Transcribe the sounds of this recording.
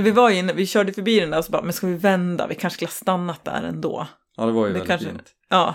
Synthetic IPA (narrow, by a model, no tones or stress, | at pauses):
vɪvajɪnːəvɪɕœːɖəjəfœɾbiːd̪ɛnd̪æːɾɔsɔbɑ̰ːmɛnskavɪvɛnd̪a̰vɪkʰanʂskɵləhɑːst̪anːat̪̚d̪æ̰ːɾɛ̰nd̪o̰ː | d̪ɛvajd̪ɛkʰanʂ | ɑː